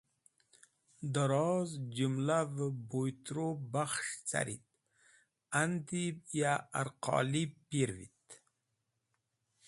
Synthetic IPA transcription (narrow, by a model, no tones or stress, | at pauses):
d̪aɾɑzd͡ʒumlavəbojt̪ɾobaxʂt͡sa̰ɾḭt̪̚ | and̪ibjaaɾqɑ̰lipiɾvḭt̪